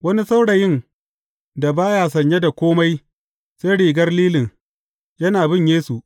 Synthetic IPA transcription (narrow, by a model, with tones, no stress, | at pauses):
wɐ˦ni˦sa˦wɽa˨jɪ˦˨n | da˨baː˦jaː˨s̬ɐ˨ɲje˦da˨kʷoː˦ma˦j | se˦ɽiː˨ɡɐ˦rliː˦lɪ˨n | jɐ˦naː˨bɪ˦ɲjeː˦su˨ʔ